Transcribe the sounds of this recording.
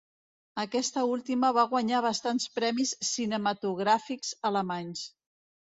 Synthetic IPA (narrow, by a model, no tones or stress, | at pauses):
əkɛst̪əulˠt̪iməβaɣwaɲaβ̞əst̪anspɾɛmisːinəmət̪uɣ̞ɾafikz̥ələmaɲs